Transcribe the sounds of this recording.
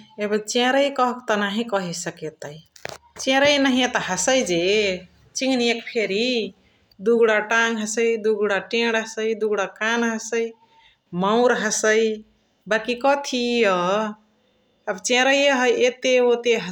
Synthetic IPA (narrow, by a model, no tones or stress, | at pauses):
ebət͡ʃẽɾəjkɔɦkt̪ɔnaɦĩkɔɦisəket̪əjt͡ʃẽɾəjnəɦiẽt̪əɦəsəjd͡ʒe | t͡ʃiŋɡniekpʰeɾi | d̪uɡɽaʈaŋɡɦəsəjd̪uɡɽaʈẽɽɦəsəjd̪uɡɽakanɦəsəj | mawɾɦəsəj | bakikɔt̪ʰijə | əbt͡ʃẽɾəjjəɦəjʔet̪eot̪eɦ